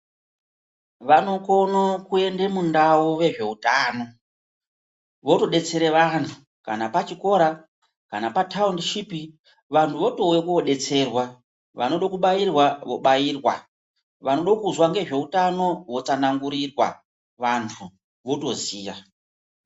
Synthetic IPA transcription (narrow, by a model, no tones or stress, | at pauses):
ʋano̞ko̞nokue̞ndemundauʋe̞ʐe̞utaːno̞ | ʋo̞to̞ɗe̞t͡se̞ɾe̞ʋantʰu̥ | ka̰napat͡ʃiko̞ɾa | kanapatʰaundiʃipi | ʋantʰuʋo̞to̞wekoɗe̞t͡se̞rwa | ʋa̰no̞ɗokuɓajirwaʋo̞̰ɓajiːrwa̰ | ʋano̞ɗokuzwaŋɡe̞ʐe̞utano̞wo̞t͡sanaŋɡuɾirwa̰ | ʋantʰu | ʋo̞to̞ziːʋa